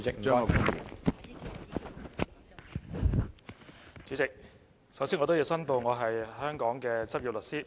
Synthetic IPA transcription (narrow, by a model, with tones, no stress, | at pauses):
t͡sɪ˨k̚m̩˨˥a˥˨˧ku˨˥y̰˨˩n | t͡syː˨˥t͡sɪ˨k̚ | sɐ˨˥wsiː˥nŋɔː˨˧t̪o˥ji˨˧wsɐ˥npo˨˧wŋɔː˨˧ɦɐ˨jhœː˥ŋkɔː˨˥ŋkɛː˧t͡sɐ˥p̚jiː˨p̚lɵ˨t̚siː˥